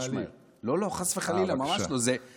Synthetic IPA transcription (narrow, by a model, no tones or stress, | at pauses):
ʃi | lo̞lo̞χasveχalilamamaʃlo̞ze